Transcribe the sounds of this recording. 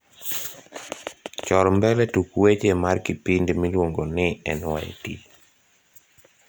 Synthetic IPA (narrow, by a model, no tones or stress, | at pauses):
t͡ʃɔɾmbɛlɛtukwet͡ʃemarkipindmilwoŋɡonɪɛnwa̰ḛti